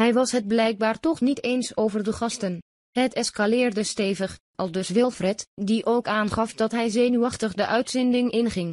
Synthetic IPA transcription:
ɦɛjʋɑsɦəd̚blɛjk̚baːɹtɔχnitejnsowvərdəχɑstən | hətɛskalɪːrdəsteːjvəχ | ʔɑlˠdɵsʋɪlˠfrɛtdiʔowkaːnχɑfdɑtɦɛjzeːnyɑχtəχdəʔœɥtsɪndɪŋɪnχɪŋ

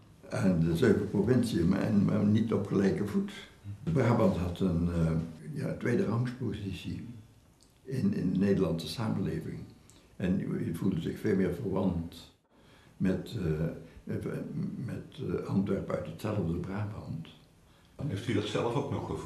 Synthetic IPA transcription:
ɛndəzøːvəprovɪnsiəm̰nma̰nitɔpχəlɛjkəvutəbraːbɑntɦɑtən | ja̰ːtʋejdərɑŋspozisi | ɪnɪ̰ndəneːdəɹlɑnsəsaːmənleːvɪ̰ŋ | ɛnivulˠdəzɪxfeːlˠmɪːɹvəɹʋɑnt | mɛt | mɛtɑntʋɛɹpœ̰ɥtɦətsɛlˠəvdəbraːbɑnt | ɦeftydɑtsɛləfoknɔχ

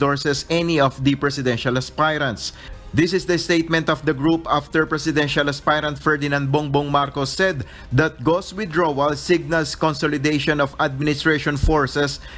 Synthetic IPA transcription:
d̪ɔɹsɛsɛniɔfd̪ipɹɛsɪd̪ɛ̃nʃalɐspajɾɐ̃nt̪s | d̪ɪsɪsd̪ɐst̪ejt̪̚mɛ̃nt̪ɔfd̪ɐɡɹupaft̪ɛɹpɹɛsɪd̪ɛ̃nʃalɐspajɾɐnd̪fɛɹd̪ɪnãnd̪̚bɔŋbɔŋmaɾkɔsːɛd̪ː | ɐt̪̚ɡoswɪd̪ɹowɐlsɪɡ̚nɐlskɔ̃nsolɪd̪eʃɔ̃nɔfad̪̚mɪnɪst̪ɹeʃɔ̃nfɔɹsɛs

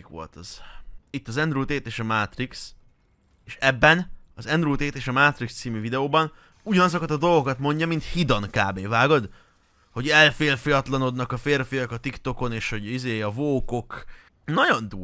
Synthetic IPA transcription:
kʋo̞̰lt̪ɒz̥it̪ːɒzɛnd̪rult̪eːt̪eːʃɒmat̪riks | eːʃɛbːɛnɒzɛnd̪rult̪eːt̪eːʃɒmaːt̪rikst̪siːmyvid̪ɛoːbɒn | uɟɒnɒzo̞kɒt̪ɒd̪o̞lɡo̞kɒt̪mo̞ɲɟɒmint̪hid̪ɒŋkaːbeːvaːɡo̞d̪ | ho̞ɟɛlfeːlfijɒt̪lɒno̞d̪nɒkɒfeːrfijɒkɒt̪ikt̪o̞ko̞neːʃho̞ɟizeːɒvoːko̞k | nɒɟo̞nd̪uː

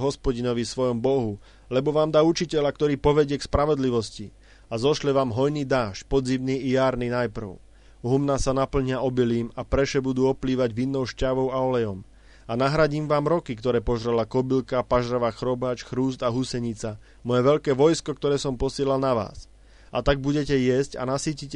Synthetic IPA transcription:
ɦɔspɔɟinɔʋisʋɔjɔmbɔɦu | lɛbɔʋaːmd̪aːut͡ʃicɛʎak̚t̪ɔɾiːpɔʋɛɟɪɛkspɾaʋɔd̪liʋɔsci | azɔʃlɛʋaːmɦɔjniːd̪aːʃpɔd̪d͡zimniːijaːɾninajpr̩ʊ | ɦumnasanapl̩ɲɪaɔbiliːmapɾɛʃɛbud̪uːɔpliːʋaɟʋinːɔʊʃcaʋɔʊaɔlɛjɔm | anaɦɾaɟiːmʋaːmɾɔkikt̪ɔɾɛːpɔʒɾɛlakɔbilkapaʒɾaʋaːxɾɔbaːt͡ʃxɾuːzd̪aɦusɛɲit͡sa | mɔjɛʋɛʎkɛːʋɔjskɔkt̪ɔɾɛːsɔmpɔsɪɛlalnaʋa̰ːs | ʔat̪aɡ̚buɟɛcɛjɛsca̰nasiːcicɛ

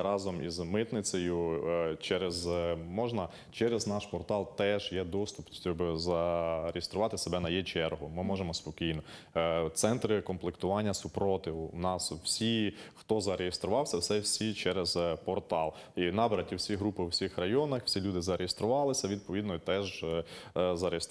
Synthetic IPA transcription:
ɾɑzɔmizmɪt̪nɪt͡sʲɐjʊt͡ʃɛɾezmɔʒnɐ | t͡ʃɛɾeznɑʃpɔrt̪ɑlˠt̪ɛʒjɛd̪ɔst̪ʊpʲɔbzɐɾejest̪ɾʊʋɑt̪ɪsebɛnɐjɛt͡ʃɛrɦʊmɪmɔʒemɔspɔkʲijnɔ | t̪sɛnt̪ɾɪkɔmplˠekt̪ʊʋɑnʲːɐsʊpɾɔt̪ɪnɑswsʲixt̪ɔzɐɾejest̪ɾʊʋɑwsʲɐwsɛwsʲit͡ʃɛɾezpɔrt̪ɑlˠ | inɑbeɾɐtʲiwsʲiɦɾupɪwsʲixrɐjɔnɐxsʲilʲud̪ɪzɐɾejest̪ɾʊʋɑlˠɪsʲɐʋʲid̪̚pɔʋʲid̪nɔit̪ɛʒ | zɐɾes

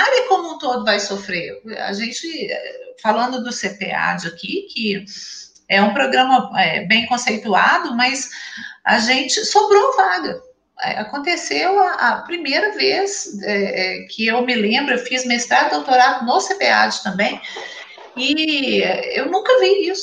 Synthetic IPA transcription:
alɐkõmũt̪od̪ʊvajsofɾea̰ʒẽt͡ʃɪɛ̰falɐ̃nd̪ʊd̪ʊsepḛa̰d͡ʒɪakikʰɪ | ɛũpɾoɡɾɐ̃mɐɛ̰bẽj̃kõsejt̪uad̪ʊmɐzaʒẽnt͡ʃɪsobɾowɐvaɡɐ | ɛ̰akõnt̪esewɐʔɐpɾimejɾɐvesɛɛkʰɪewmɪlẽmbɾʊewfizmest̪ɾad̪awt̪oɾad̪ʊnosepea̰d͡ʒɪt̪ɐ̃mbẽj̃ | ɪɛḛwnũkɐviisʊ̥

